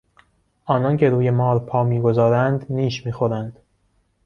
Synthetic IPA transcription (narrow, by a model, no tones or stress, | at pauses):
ʔɒːnɒncʰe̞ɾuːje̞mɒːɾpʰɒːmiːɡo̞zɒːɾænd̪niːʃmiːxoɾænd̪̥